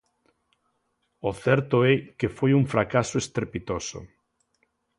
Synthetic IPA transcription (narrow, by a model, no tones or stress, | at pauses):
oθɛɾt̪ʊɛkefojuŋfɾakasoest̪ɾepit̪oso̰